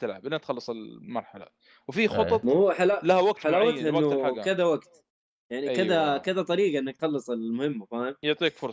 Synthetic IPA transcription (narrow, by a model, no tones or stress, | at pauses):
t̪ɪlʕabʔɪnːat̪xɑlːɨsˤɪlmɑɾˤħala̰ | wfixʊt̪ˤɑt̪muħalalahawaɡ̚t̪ħalaːwat̪haʔɪnːʊħakɪðawaɡt̪ | jaʕnikɪðakad̪at̪ˤɑɾiːɡɑʔɪnːakt̪xɑlːɨsˤɪlmʊhɪmːafaanjɪʕt̪ˤiːkfʊɾsˤɑ̥